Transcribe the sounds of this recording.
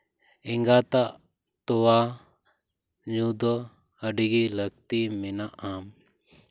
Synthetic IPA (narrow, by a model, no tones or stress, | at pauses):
ɪŋɡat̪a | t̪ɔwa | ɲud̪ɔ | əɖiɡiləɡ̚t̪iminaʔam